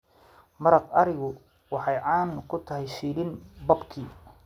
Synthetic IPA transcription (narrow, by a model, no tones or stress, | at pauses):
mɐɾɑqɐɾɪɣʊ | wɑħɑjʕɑːnkʰʊt̪ʰɐɦɛjʃiːlɪnbɐbkʰiː